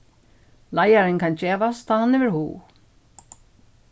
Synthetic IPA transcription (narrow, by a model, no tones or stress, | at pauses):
lajaɾɪnkʰant͡ɕeːʋast̪ʰaːhanɛvɛɾhṵː